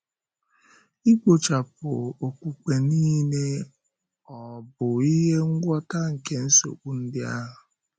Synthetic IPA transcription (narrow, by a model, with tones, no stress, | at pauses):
i˦ɡʷo˨t͡ʃa˨pʊ̰˨o˨kʷu˨ke˨niː˦ne˦ | ɔ˨bʊ˨i˦ɦe˦ŋ̩˦ɡʷɔ˦ta˦ŋ̩˨ke˦n̩˦so̰˨k͡pu˦n̩˦dɪ˦a̰˦ɦʊ˨